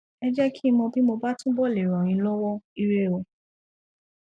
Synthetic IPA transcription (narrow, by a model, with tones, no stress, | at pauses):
ɛ˦d͡ʒɛ˦kʰi˦˧mɔ̃˧bi˦mo˧ba˦tũ˦bɔ˦˨le˨ɾɔ˨j̃ĩ˧˦lɔ˦wɔ˦i˧ɾe˦˨o˧˨